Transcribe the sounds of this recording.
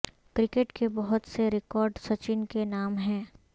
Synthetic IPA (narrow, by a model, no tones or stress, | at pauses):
kɾɪkeʈkebɔɦʊt̪seɾɪkɔːɾɖsɐt͡ʃɪnkenaːmɦɛ̃ː